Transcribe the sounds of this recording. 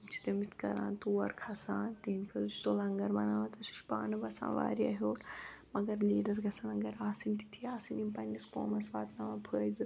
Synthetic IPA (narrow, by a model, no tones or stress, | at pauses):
mt͡ʃʰi̥t̪ɐmit̪kɐ̰ɾã̰ːnt̪uːʋɐ̰ɾkʰɐsaːnt̪iɦinkʰɐlu̥t̪olɐŋɡɐɾbɐnaːʋɐt̪ɐsu̥ʃpaːnɨbɐsã̰ːʋa̰ːɾiɐɦoːlmɐɡɐɾliːɖɐɾɡɐsɐnɐɡɐɾaːsint̪i̥t̪ʰiaːsinimpɐnʲisko̰ːmɐsʋaːt̪nɐʋɐpʰəːjd̪ɨ